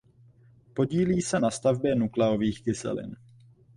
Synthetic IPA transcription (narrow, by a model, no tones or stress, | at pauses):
po̞ɟiːliːsɛnast̪avbjɛnuklɛoviːxkɪsɛ̰lɪ̰n